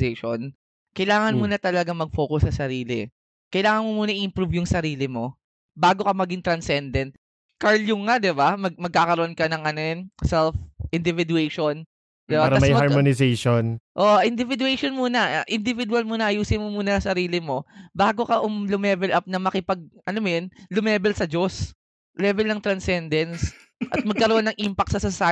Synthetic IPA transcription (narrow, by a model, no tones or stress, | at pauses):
eʃo̰n | kɐjlaːŋɐnmuːnɐt̪ɐlɐɡaŋmɐɡ̚fo̞ːkʊsːɐsɐɾiːlɪ̰ | kɐjlaːŋɐnmomuːnɐʔɪʔɪmpɾuvjʊŋsɐɾiːlɪmo̞ | baːɡo̞kɐmɐɡɪŋt̪ɾɐnsɛnd̪ɛnt̪̚ | kaɹljʊŋad̪ɪbamɐɡ̚mɐɡ̚kaːkɐɾoʔonkɐnɐŋʔɐnonsɛlfʔɪnd̪ɪvɪd̪uejʃon | d̪ɪbaɾɐamɐjhmaɹmonɪsejʃonʔoʔʔɪnd̪ɪvɪd̪uɛjʃonmuːnɐʔʔɪnd̪ɪvɪd̪wɐlmunɐʔɐjuːsɪnmomuːnɐsɐɾiːlɪmo̞baːɡo̞kɐʔʊmlʊmɛːvɛlʔɐp̚nɐmɐkɪpɐɡ̚ʔɐnomjonlʊmɛːbɛlsɐd͡ʒos | lɛːvɛlnɐŋt̪ɾɐnsɛnd̪ɛns | ʔɐt̪̚mɐɡkːɐɾoʔonːɐŋʔimpɐk̚t̪sɐsɐsaː